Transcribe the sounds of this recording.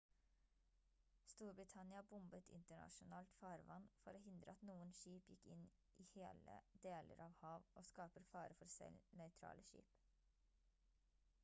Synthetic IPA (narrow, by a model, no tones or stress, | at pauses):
st̪uːɾbɾɪt̪ʰɑnɪɑbʊmbət̪ʰɪ̰nt̪əɳɑ̰ʃʊnɑːlt̪fɑːɾʋɑnfɔɾoːhɪnd̪ɾəɑt̪nuːənʃiːpjɪkɪn | ʔiːheːlə̰d̪eːlʔə̰ɾɑːʋhɑːʋʔoːskɑːpəɾfɑːɾəfɔɾsɛ̰lnœʏt̪ʰɾɑ̰ːlʔəʃḭːp